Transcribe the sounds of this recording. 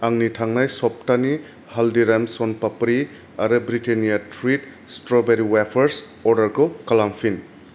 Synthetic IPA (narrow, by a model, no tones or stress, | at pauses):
aŋnitʰaŋnajsɔp̚tani | haldiɾemsonpapɾi | aɾɯbɾitenijatʰɾit | stɾobeɾiwepʰɐɾs | ɔɾdɐɾɡokalampʰin